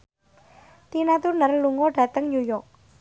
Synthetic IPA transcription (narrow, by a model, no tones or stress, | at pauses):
d̪̥inat̪urnərluŋɔɖ̥a̤t̪əŋnujɔk̚